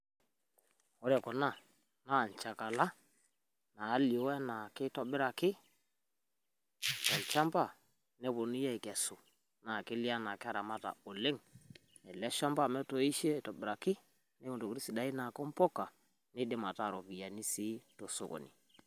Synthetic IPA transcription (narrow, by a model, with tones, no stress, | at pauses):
ɔ˦ɾɛ˨kɔ˨na˦˨ | na˦˨n˨t͡ʃa˨ka˨la˦ | naː˨˦li˨o˦ɛ˦na˨kɪ˦tɔ˨bɪ˦ɾa˨kɪ˦˨ | kɛ˨lt͡ʃa˦mpa˦˨ | nɛ˦bo˨ni˦ja˦˨kɛ˨sʊ˨ | na˨kɪ˦li˦a˦na˨kɪ˦a˦ɾa˨ma˦ta̰˨o˨le˦ŋ | ɛ˨lɛ˦ʃa˦mba˦˨mɛ˦to˨i˦ʃe˦˨tɔ˨bɪ˨ɾa˨kɪ˦ | nɛ˦o˨to˨kɾi˦si˨da˦i˦na˨kɔ˦m˦pɔ˦ka˨ | nɪ˦dɪ˦ma˨ta˦˨ɾɔ˨pi˨a˨ni˦si˦to˨so̰˨ko̰˨nḭ˨